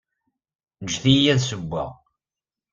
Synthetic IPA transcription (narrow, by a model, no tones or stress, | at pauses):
nəʒθijæðsəbʷːə̰ʁ